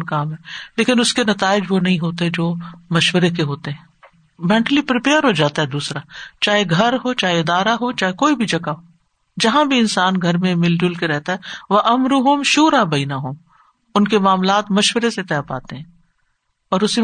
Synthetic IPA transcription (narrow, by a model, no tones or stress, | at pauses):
nkaːmɦɛ̃ːleːkɪnʊskenɐt̪aːɪd͡ʒʋonɐɦĩɦoːt̪eɦɛd͡ʒoːmɐʃwəɾekeɦoːt̪eɦɛ̃ː | mɛ̃ːɳʈlipɾɪpeːəɾɦod͡ʒaːt̪aɦɛd̪uːsɾat͡ʃaːɦeɡʱɐɾɦot͡ʃaːɦeɪd̪aːɾaɦot͡ʃaːɦekoːibʱid͡ʒɐɡaɦoː | d͡ʒɐɦãbʱiɪnsaːnɡʱɐɾmẽmɪld͡ʒʊlkeɾɛɦt̪aɦɛʋɐʔɐmɾʊɦʊmʃuːɾabɐːnəɦʊm | ʊnkemaːmlaːt̪mɐʃwəɾeset̪ɛːpa̰ːt̪eɦɛ̃ː | ɔːɾʊsi